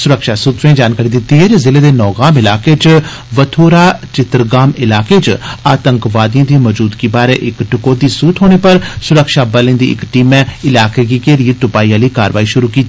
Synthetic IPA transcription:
sʊɾəkʃaːsʊt̪ɾẽd͡ʒaːnkaːɾid̪ɪt̪ːiːɦɛːd͡ʒezɪleːd̪eːnɔːɡaːmɪlaːkeːt͡ʃ | ʋət̪ʰoːɾaːt͡ʃɪt̪ɾɡaːmɪlaːkeːt͡ʃaːt̪ə̃ŋkʋaːd̪ijãːd̪ĩmɔːd͡ʒuːd̪kibaːɾeʔɪkʈʊkoːd̪iːsuːt̪ʰɦoːɽ̃eːpəɾsʊɾəkʃaːbəlẽːnd̪ḭːɪ̰kʈiːmɛ̃ːɪlaːkeːɡikeːɾieʈ̪ʊpaːiːãːliːkaːɾʋaːiʃʊɾuːkiːt̪i

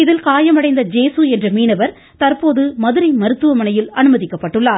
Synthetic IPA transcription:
ɪðɪlkaːjɐmɐɽɐɪnd̪ɐd͡ʒeːsɯɛndrɐmiːnɐʋɐɾ | t̪ɐɾpoːðɯmɐðɯɾɐɪmɐɾɯt̪ːɯʋɐmɐnɐjɪlɐnɯmɐðɪkːɐpːɐʈːɯɭːaːɾ

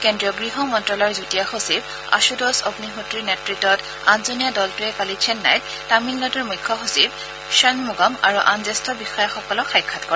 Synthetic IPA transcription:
kendɹiɔɡɹiɦɔmɔntɹɔlɔɹzutijaxosib | a̰ʃudɔsobnixutːɹinɛtɹitɔt | anzonijadɔltʊɛpalit͡ʃʰɛnːa̰j | taminlɔtɔɹmujkʰːɔxosib̚ | ʃanmuɡamaɹuʔanzɛstɔbixɔjaxɔkɔlɔxajkʰːatkɔɹɛ

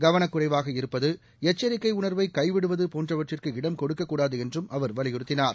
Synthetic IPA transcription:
ɡɐʋɐnɐkːɯrɐɪʋaːɣɐɪɾɯpːɐðɯ | ɛt͡ʃːɐɾɪkːɐɪʊɳɐɾʋɐɪkɐɪʋɪɽɯʋɐðɯpoːndrɐʋɐʈrɪrkɯɪɽɐmkɔɽɯkːɐkːuːɽaːðɯɛndrɯmʔɐʋɐɾʋɐlɪjɪɾɯt̪ːɪnaːɾ

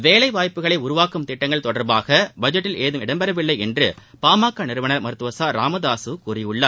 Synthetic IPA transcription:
ʋeːlɐɪʋaːjpːɯɣɐɭɐɪʊɾʊʋaːkɯmt̪ɪʈːɐŋɡɐɭt̪ɔɽɐɾbaːɣɐbɐd͡ʒɐʈːɪleːðɯmɪɽɐmbɛɾɐʋɪlːɐɪɛndrɯpaːmaːkːɐnɪɾɯʋɐnɐɾmɐɾɯt̪ːɯʋɐsaːɾa̰ːmɐðaːsɯkuːrɪjɯɭːɐ

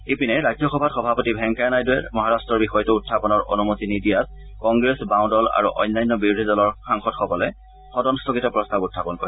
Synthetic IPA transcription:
epinɛɹad͡ʒjɔxɔbʱatxɔbʱapotibʱɛŋkajnajdʊɛ̰ɹmɔɦaɹastɹɔɹbixɔjɔtʊːtʰːapɔnɔɹʔo̰numotinidijat | kɔŋɡɹesbãw̃dɔla̰ɹṵʔɔ̰jnːajnːɔbiɹudʱidɔlɔɹxaŋxɔtxɔkɔlɛ | xɔdɔnstʰokitɔpɹɔstabutʰːapɔnkɔ̰ɹɛ

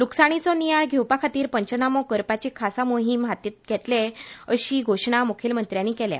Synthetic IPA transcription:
luksaɽ̃it͡sɔnijaɭɡʱewpakʰat̪iːɾpəɲt͡ɕənamɔkəɾpat͡ɕikʰasamoɦimɦat̪it̪̚ɡʱɛt̪leəɕiːɡʱoɕɳamukʰelmənt̪ɾjanːikɛlja̰

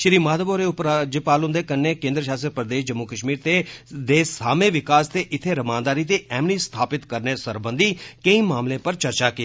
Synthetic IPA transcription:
ʃɾiːmaːd̪əboːɾepɾad͡ʒɪpaːlʊ̃nd̪eːkənːeːkẽːnd̪ɾəʃaːsəɾpɾəd̪eːʃd͡ʒəmːuːkəʃmiːɾt̪eːd̪eːsaːmẽːʋɪkaːst̪eːʔɪt̪ʰeːɾəmãːnd̪aːɾiːt̪eːʔɛːmniːst̪ʰaːpɪt̪kəɾneːsəɾbə̃nd̪ʱiːkəĩːmaːmlẽːpəɾt͡ʃəɾt͡ʃaːki

